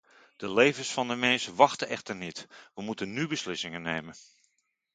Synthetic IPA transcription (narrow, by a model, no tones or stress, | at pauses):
d̥əlejvəsfɑndəmɛnsəʋɑχtəʔɛχtərnitʋəmutənnybəslɪsɪŋənːejmən